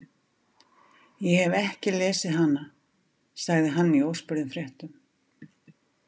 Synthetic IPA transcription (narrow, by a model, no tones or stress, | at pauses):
jɛhɛvɛhcɪlɛːsɪðɦanːa | saɣðɪɦanːiowspʏɾðʏmfɾjɛht̪ʏm